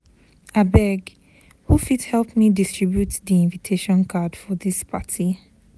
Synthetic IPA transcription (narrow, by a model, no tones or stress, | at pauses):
abɛɡ | hufidhɛlˠpmidistɹibjutdiĩnvitʰeʃɔ̃nkʰad̥fɔðispʰatʰi